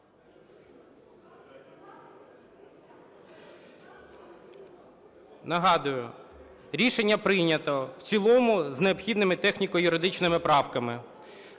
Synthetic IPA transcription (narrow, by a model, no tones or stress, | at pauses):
nɐɦɑd̪ʊjʊ | ɾʲiʃenʲːɐpɾɪjnʲɐt̪ɔwt͡sʲilˠɔmʊzneɔpxʲid̪nɪmɪt̪ɛxnʲikɔjʊɾɪd̪ɪt͡ʃnɪmɪpɾɑwkɐmɪ